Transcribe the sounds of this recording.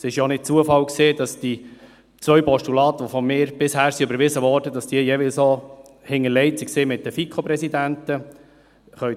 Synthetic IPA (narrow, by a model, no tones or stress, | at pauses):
sɪʃjonɪt̚t͡suəfɑlkseːdɑsd̥i | t͡sʋœɥpɔʃtulɑːt̪ʋɔfɔmɪːɾb̥ɪshæːɾsiøbəɾʋɪzəʋɔːɾdədɑsd̥iəjɛʋɪlso | hɪŋːəlɛɪtsikseːmɪtdəfikʰopɾɛsidæntə | χœɥ